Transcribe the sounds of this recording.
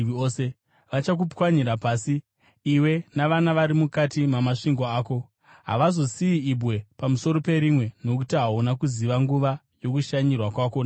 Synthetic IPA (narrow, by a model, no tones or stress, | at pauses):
ose | ʋat͡ʃak̬upkwaɲiɾapaːsi | iwe̞naʋanaʋaɾimukatimamaʂiŋɡoaːko̞ | ɦa̰ʋazo̞siiibwe̞pamuso̞ɾo̞pe̞ɾimwe̞no̞kutiɦaunakuziʋaŋɡuʋa | jo̞kuʃaɲirwakwakon